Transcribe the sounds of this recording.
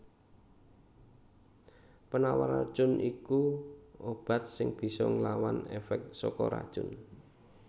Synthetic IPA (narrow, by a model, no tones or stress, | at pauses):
pənawaɾad̥ʒ̥ʊ̤nʔikuob̥a̤t̪̚sɪŋb̥i̤sɔŋlawanɛfɛk̚sɔkɔɾa̰d̥ʒ̥ʊn